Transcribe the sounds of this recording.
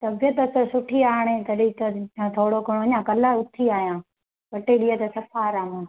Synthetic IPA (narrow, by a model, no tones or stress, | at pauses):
t̪ɐbɪjət̪ɐsɐsʊʈʰiaːɽ̃et̪ɐɗiːt̪ɐãt̪ʰoːɽokɐɽoɐɲãːkɐlaʊt̪ʰiaːɦijãː | ʋɐʈeɗiːət̪ɐsɐpʰaːɾaːmãː